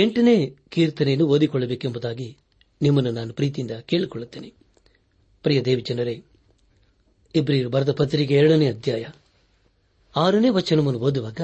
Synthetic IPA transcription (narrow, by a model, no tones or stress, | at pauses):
eɳʈɐne̞ːkiːɾt̪ɐneɐnːuʋoːd̪ikɔɭːɐbeːkembɐd̪aːɡi | nimːɐnːunaːnupɾiːt̪ijind̪ɐkeːɭikɔɭːut̪ːeːni | pɾijɐd̪eːʋid͡ʒɐnːɐɾe | ibɾiːɾubʱɐɾɐt̪ɐpɐt̪ːɾikeɛɾɐɽɐneɐd̪ʱjaːjɐ | aːɐɾɐne̞ːʋɐt͡ʃːɐnɐmɐnːuʋoːd̪uʋaːɡɐ